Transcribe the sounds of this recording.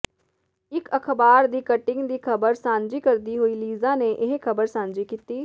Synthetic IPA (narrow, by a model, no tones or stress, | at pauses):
ɪkəkʰbaːɾd̪iːkəʈɪ̃ŋɡd̪iːkʰəbəɾsãːnd͡ʒiːkəɾd̪iːɦoiːliːzaːneʔɪɦkʰəbəɾsãːnd͡ʒiːkiːt̪iː